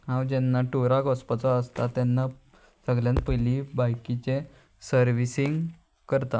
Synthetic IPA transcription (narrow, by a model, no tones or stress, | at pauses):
ɦãwd͡ʑɛnːaʈoɾakɔspət͡sɔəst̪at̪ɛnːa | səɡljãnpəjlibajkit͡ɕe | səɾʋisiŋɡ | kəɾt̪a